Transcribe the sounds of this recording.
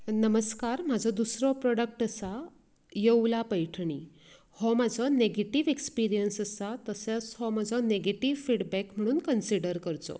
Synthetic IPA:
nəməskaɾmad͡zʱɔd̪usɾɔpɾɔɽək̚ʈəsa | jewlapəjʈʰɳ̃iː | hɔmad͡zʱɔneɡeʈiʋekspiɾijənsəsat̪əset͡sɦɔmad͡zʱɔneɡeʈiʋfiɽbækm̤əɽ̃uːnkənsiɽəɾkəɾt͡sɔ̰

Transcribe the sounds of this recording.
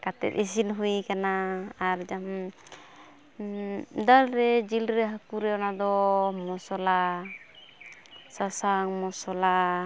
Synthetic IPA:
kat̪ɛ̰t̪̚isinɦujkanaaɾd͡ʒam | d̪alɾɛd͡ʒilɾɛɦakuɾɛɔnad̪ɔmɔsɔla | sasaŋmɔsɔla

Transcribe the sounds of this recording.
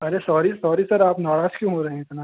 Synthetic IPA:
ɐɾesɔːɾisɔːɾisɐɾaːpnɔːɽaːskjũɦoɾɐɦẽɪt̪naː

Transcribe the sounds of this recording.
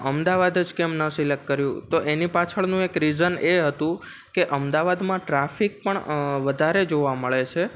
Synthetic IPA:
ʔəmd̪aʋad̪əd͡ʒkɛmnəsilek̚ʈkːəɾjũt̪oʔenipat͡ʃʰəɭnũekɾizəneɦət̪ũ | keʔəmd̪aʋad̪mãʈɾafik̚pəɳʋəd̪ʱaɾed͡ʒoʋaməɭet͡ʃʰe

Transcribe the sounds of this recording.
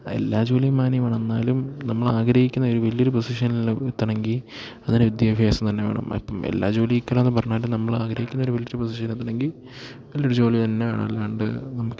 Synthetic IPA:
e̞̰lːaːd͡ʑo̞ːlijɐmaːnjɐmaːɳenːaːlumnɐmːɐɭaːɡɾɐhikʲːunːɐo̞ɾuʋɐlijoɾuposiʂɐnilnɨt̪ːɐɳeŋɡil | ɐðinɨʋid̪jaːbʱjaːsɐmt̪ɐnːeʋe̞̰ːɳɐ̰mḭpːɐmḛlːa̰ːd͡ʑo̞ːlijikʲːɐlːnːɨpɐrɐɲːaːlumnɐmːɐɭaːɡɾɐhikʲːunːɐoɾuʋɐlijoɾuposiʂ̬ɐnilet̪ːɐɳeŋɡil | ʋɐlijoɾut͡ɕo̞ːlit̪ɐnːea̰ːɳɐ̰lːaːɳɖɨ̰nɐmukː

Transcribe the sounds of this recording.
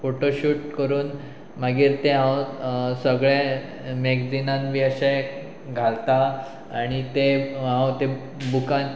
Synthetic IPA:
foʈoɕuːʈkəɾuːn | maɡiːɾt̪eɦãwsəɡɭẽ | meɡd͡zinãnʋiəɕa | ɡʱalt̪a | aɽ̃it̪eɦãwt̪e | bukãn

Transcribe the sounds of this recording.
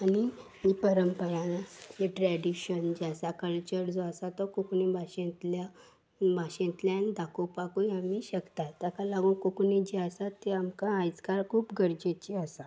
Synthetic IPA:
ani | ipəɾəmpəɾãɦeʈɾɛɽiɕənd͡ʑiasakəlt͡ɕəɾd͡zɔasat̪ɔkuknebʱaɕẽt̪la | bʱaɕẽt̪ljanid̪akʰopakuamiɕəkt̪at̪jakalaɡũkukned͡ʑiasat̪ːeamkããjt͡skaɾkʰuːpɡʱəɾd͡ʑet͡ɕiasa

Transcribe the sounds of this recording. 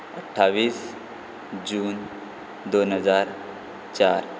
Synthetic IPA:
əʈʰːaʋiːs | d͡ʑuːn | d̪onɦəd͡zaɾ | t͡ɕaɾ

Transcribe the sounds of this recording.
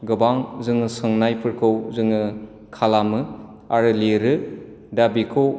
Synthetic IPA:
ɡɯbaŋzɯŋɯsɯŋnajpʰɯɾkʰɯwzɯŋɯ | kʰalamɯ | aɾɯleɾɯ | dabikʰɯw

